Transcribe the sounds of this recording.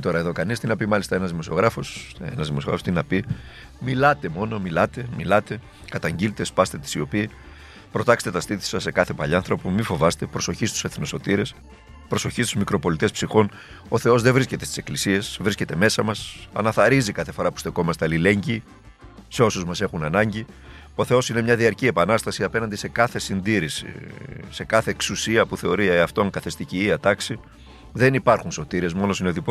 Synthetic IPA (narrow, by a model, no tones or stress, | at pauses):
t̪o̞ɾɐeðo̞kɐnist̪inɐpimɐlist̪ɐe̞nɐzðimo̞sio̞ɣɾɐfo̞senɐzðimosoɾɐ̰fost̪inɐpi | milɐt̪e̞mo̞no̞milɐt̪e̞milɐt̪e̞ | kɐt̪ɐɲɟilt̪e̞spɐst̪e̞t̪i̥sio̞pi | pɾo̞t̪ɐkse̥t̪et̪ɐst̪iθi̥sɐse̞kɐθe̞pɐʎiɐnθɾo̞pomifo̞vɐst̪e̞pɾoso̞çist̪u̥seθnoso̞t̪iɾe̞s | pɾo̞so̞çist̪uzmikɾo̞po̞lit̪e̞spsixo̞n | o̞θeo̞zðe̞vɾiscet̪e̞st̪ise̞klisie̞svɾisce̞t̪e̞me̞sɐmɐsɐ̰nɐθɐɾizikɐθe̞fo̞ɾɐpu̥st̪e̞ko̞mɐst̪eɐlile̞ɲɟi | se̞o̞suzmɐse̞xunɐnɐɲɟi | o̞θe̞o̞sine̞mɲɐðiɐɾciepɐnɐst̪ɐsiɐpe̞nɐnd̪ise̞kɐθe̞sind̪iɾisḭse̞kɐθe̞ːksusiɐpuθe̞o̞ɾiɐft̪o̞ŋkɐθest̪iciːɐt̪ɐksi | ðe̞nipɐɾxunso̞t̪iɾe̞zmo̞no̞sineðip